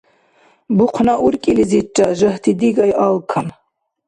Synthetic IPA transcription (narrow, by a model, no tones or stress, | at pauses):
buqʰnaʔuɾkʼilizit͡ʃʼːaʒəht̪ʰid̪iɡɑjʔɑlkʰam